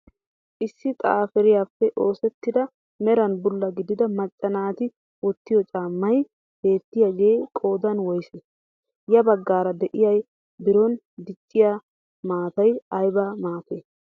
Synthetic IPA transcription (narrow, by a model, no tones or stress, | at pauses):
ʔɪsːɪt̪ʼaːfɛɾɪjaːfːɛʔo̞ːsɛt̪ːɪd̪ɐ | mɛɾɐnbʊlːɐɡɪd̪ɪd̪ɐmɐt͡ʃʼːɐnaːt̪ɪ | wɔt̪ːɪjɔt͡ʃʼaːmːɐj | b̥e̞ːt̪ːɪjɐɡeːkʼo̞ːd̪ɐnwɔjse | jɐbɐɡːaːɾɐd̪ɛʔɪjɐj | bɪɾɔn | d̪ɪt͡ʃʼːɪja | maːt̪ɐjɐjbamaːt̪eː